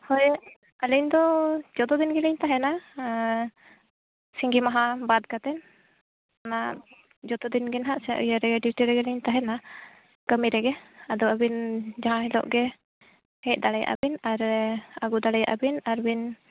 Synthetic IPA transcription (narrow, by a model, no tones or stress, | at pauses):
hɔj | əliɲd̪ɔd͡ʒɔt̪ɔd̪inɡɛliɲt̪aɦɛna | siŋɡimaɦãbad̪̚kat̪ɛn | ana | d͡ʒɔt̪ɔd̪inɡɛnɦaʔsɛʔṵjaɾɛɡɛɖiʈiɾɛɡɛliɲt̪aɦɛna | kəmiɾɛɡɛad̪ɔabind͡ʒaɦãɦilɔ̰ʔɡɛ | hɛc̚ˀd̪aɽɛja̰ʔa̰binaɾaɡud̪aɽɛja̰ʔa̰binaɾbin